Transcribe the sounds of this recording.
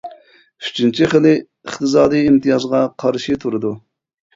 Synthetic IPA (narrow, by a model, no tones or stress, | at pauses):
y̥t͡ʃʰint͡ʃʰiχəlɪ | əχt̪ʰɨs̬ɑːd̪ɨjimt̪ʰɨjɑzʁɑqʰɑɾʃit̪ʰuɾɨd̪u